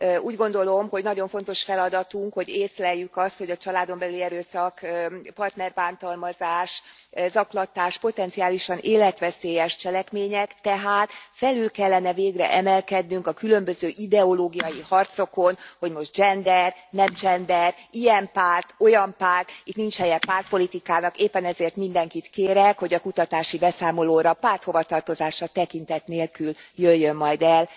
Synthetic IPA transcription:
uːɟɡo̞nd̪o̞lo̞mho̞ɟnɒɟo̞ɱfo̞n̪t̪o̞ʃfɛlɒd̪ɒt̪uŋkho̞ɟeːslɛjːykɒst̪ho̞ɟɒt͡ʃɒlaːd̪o̞mbɛlyliɛɾøːsɒkpɒrt̪nɛrbaːnt̪ɒlmɒzaːʃ | zɒklɒt̪aːʃpo̞t̪ɛnt̪siaːliʃɒnʔeːlɛt̪ʋɛseːjɛʃt͡ʃɛlɛkmeːɲɛkt̪ɛɦaːt̪fɛlylkɛlːɛnɛveːɡrɛ̰ʔɛmɛlkɛd̪nyŋkɒkylø̞mbøzøːʔid̪ɛo̞loːɡijɒjihɒrt̪so̞ko̞nho̞ɟmo̞ʒ̚d͡ʒɛnd̪ɛrnɛmd͡ʒɛnd̪ɛrijɛmpaːrt̪o̞jɒmpaːrt̪it̪nint͡ʃhɛjɛpaːrt̪̚po̞lit̪ikaːnɒkeːpːɛnɛzeːrt̪mind̪ɛŋkit̪keːɾɛkho̞ɟɒkut̪ɒt̪aːʃibɛsaːmo̞loːɾɒpaːrt̪ho̞vɒt̪ɒrt̪o̞zaːʃɒt̪ɛkin̪t̪ɛt̪neːlkyljøjːømːɒjd̪ɛl

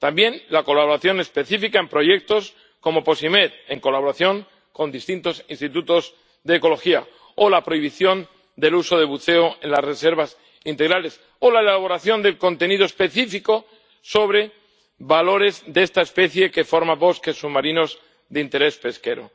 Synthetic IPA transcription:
t̪ambje̞nlako̞laβo̞ɾaθjo̞ne̞spe̞θifikae̞mpɾo̞ʝe̞k̚t̪o̞s | ko̞mo̞po̞sime̞t̪e̞ŋko̞laβo̞ɾaθjo̞ŋ | ko̞nd̪ist̪int̪o̞sinst̪it̪ut̪o̞z | deːko̞lo̞xia | olapɾo̞iβ̞iθjo̞n | d̪e̞luso̞ðe̞βuθe̞oe̞nlasre̞se̞ɾβas | int̪eɣɾale̞s | o̞laelaβo̞ɾaθjo̞nd̪e̞lkont̪e̞nið̞oe̞spe̞θifiko̞ | so̞βɾe̞ | βalo̞ɾe̞zd̪eest̪aespe̞θje̞ke̞fo̞ɾmaβo̞ske̞sːuβmaɾino̞z | ðeint̪e̞ɾe̞spe̞ske̞ɾo̰

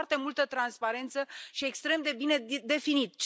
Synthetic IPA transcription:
rt̪e̞mult̪ət̪ɾanspaɾe̞nt̪səʃie̞kst̪ɾe̞md̪e̞bine̞d̪e̞finit̪̚t͡ʃ

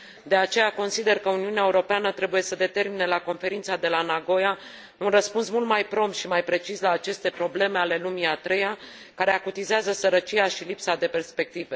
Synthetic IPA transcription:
d̪e̞at͡ʃe̞jako̞nsid̪e̞rkəuniuneaeuɾo̞peanət̪ɾe̞buje̞səd̪e̞t̪e̞rminelako̞nfe̞ɾint̪sad̪e̞lanaɡo̞ja | unrəspunsmult̪majpɾo̞mt̪ʃimajpɾe̞t͡ʃislaːt͡ʃe̞st̪e̞pɾo̞ble̞me̞ale̞lumiat̪ɾe̞ja | kaɾe̞akut̪izeazəsəɾət͡ʃiaʃilipsad̪e̞pe̞rspe̞k̚t̪ive

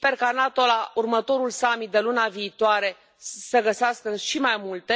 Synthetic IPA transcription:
spe̞rkanat̪o̞laurmət̪o̞ɾulsamit̪̚d̪e̞lunaviːt̪oaɾe̞ | səɡəseaskəʃimajmult̪e̞

